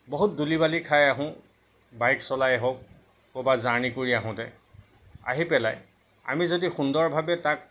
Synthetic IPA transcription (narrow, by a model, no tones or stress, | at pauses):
boɦut̚dulibalikʰajaɦʊ̃ | bajksɔlajɛɦok̚ | kobazaɹnikoɹiaɦʊ̃tɛ | a̰ɦipɛlaj | a̰mizodixundɔɹbʱabɛtak̚